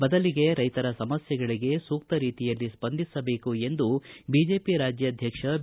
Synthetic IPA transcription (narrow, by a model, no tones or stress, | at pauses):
bɐd̪ɐliɡe̞ɾɐjt̪ɐɾɐsɐmɐsjɛɡɐɭiɡe̞suːk̚t̪ɐɾiːt̪ijɐlːispɐnd̪ʱisɐbe̞ːkue̞nd̪ubiːd͡ʒe̞ːpiɾaːd͡ʒjɐːd̪ʱjɐkʂɐ